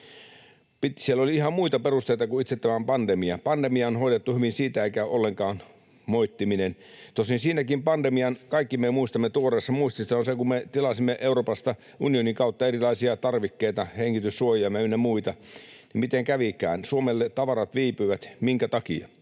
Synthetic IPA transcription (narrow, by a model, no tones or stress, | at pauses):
pit̪sielːoliihɑmmuit̪ɑperust̪eit̪ɑkuit̪set̪ːæmæmpɑnd̪emiɑpɑndemiɑonhoidet̪ːuhyʋinsiːt̪æeikæolːeŋkɑːn | moit̪ːiminen | t̪osinsiːnækimpɑnd̪emiɑnkɑikːimemuist̪ɑmːet̪uoreːsːɑmuist̪isonsekummet̪ilɑsimːeʔeuroːpɑst̪ɑ | ʔunioniŋkɑut̪ːɑerilɑisiɑt̪ɑrʋikːeit̪ɑheŋːit̪ysːuojiɑmeynːæmuit̪ɑ | nimit̪eŋkæʋikæ̰ːnsuomelːet̪ɑʋɑrɑt̪ʋiːpyʋæt̪miŋkæt̪ɑkḭɑ̰